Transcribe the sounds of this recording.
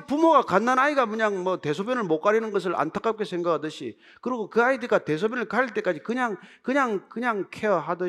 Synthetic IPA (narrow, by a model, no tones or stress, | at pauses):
pumoɡakanːanaiɡamɯɲaŋmʌte̞sʰobjʌnɯɭmok͈aɾinɯnɡʌs̬ʰɯɭʔa̰ntʰak͈ap̚k͈e̞sʰe̞ŋɡakʰadɯɕʰḭ | kɯɾiɡokɯaidɯɡate̞sʰobjʌnɯɭkaɾiɭt͈e̞k͈ad͡ʑikɯɲaŋkɯɲaŋkɯɲaŋkʰeʌɦadɯ